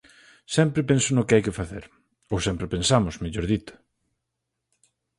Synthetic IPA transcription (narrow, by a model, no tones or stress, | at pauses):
sɛmpɾɪpensʊnʊkɪajkɪfaθeɾ | owsɛmpɾepẽnsamʊsmeʎoɾðit̪ʊ̥